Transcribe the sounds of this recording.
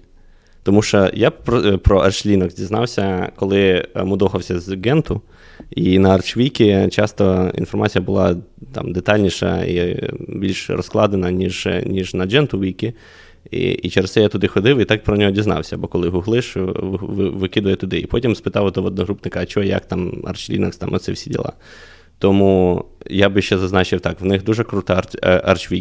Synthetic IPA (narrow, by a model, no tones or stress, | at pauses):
t̪ɔmuʃt͡ʃɔjapɾɔpɾɔʔɐrʃlʲinɔɡzʲdʲiznɑwsʲɐkɔlˠɪmʊd̪ɔxɐwsʲɐzɡɛnt̪ʊ | inɐɐrt͡ʃʋʲijkʲit͡ʃɑst̪ɔḭnfɔrmɑt͡sʲijɐbʊlˠɑt̪ɑ̰md̪et̪ɑlʲnʲiʃɐ̰ḭbʲilʲʃɾɔ̰sklˠɑd̪enɐnʲiʒnʲiʒnɐd͡ʒɛnt̪ʊʋʲijkʲi | ḭit͡ʃeɾesɛjat̪ʊd̪ɪxɔd̪ɪwit̪ɑk̚pɾɔnʲɔɦɔdʲiznɑ̰wsʲɐbɔkɔlˠɪɦʊɦlˠɪʃʋʋɪkɪd̪ʊjɛt̪ʊd̪ɪipɔtʲimspɪt̪ɑwɔd̪ɔʋɔd̪̚nɔɦɾupnɪkɐːt͡ʃɔɛjɐ̰kt̪ɑmɐ̰rt͡ʃlʲḭnɐkst̪ɑmɔ̰t̪sɛwsʲidʲḭlˠɑ̰ | t̪ɔmujabɪʃt͡ʃɛzɐznɑt͡ʃɪwt̪ɑkwnɪxd̪uʒɛkɾut̪ɑɐ̰rt͡ʃʋʲi